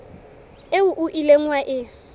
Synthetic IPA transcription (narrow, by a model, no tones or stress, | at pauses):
eʊʔʊʔileŋ̩waʔɪ